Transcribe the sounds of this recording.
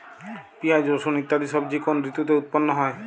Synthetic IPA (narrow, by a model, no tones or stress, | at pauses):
piad͡ʒosonit̪ːad̪isɔbd͡ʒikonɾit̪ut̪eut̪̚pɔnːɔɦɔe